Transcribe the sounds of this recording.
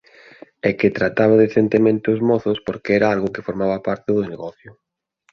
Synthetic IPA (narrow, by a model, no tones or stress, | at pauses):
ɛket̪ɾat̪aβaðeθent̪emẽnt̪ɪʊzmɔθʊspoɾkeɛɾaalɣʊkefoɾmaβɐpaɾt̪ɪðʊneɣɔθjʊ